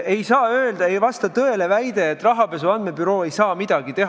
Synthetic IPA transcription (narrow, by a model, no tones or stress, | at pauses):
e̞jsɑːøːld̪̥ɑe̞jvɑst̪ɑt̪ɤ̞e̞le̞væjd̪e̞ːt̪ːˑrɑɦɑpe̞seɑnd̪me̞byɾo̞ːe̞jsɑːmid̪̥ɑɡ̥it̪e̞ɦ